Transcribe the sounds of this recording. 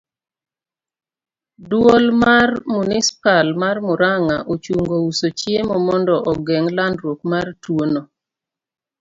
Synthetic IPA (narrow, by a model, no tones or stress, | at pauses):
dwolmarmunispalmarmʊɾaŋaʔot͡ʃuŋɡousot͡ʃjemɔmɔndɔʔɔɡɛŋlandɾwokmartwono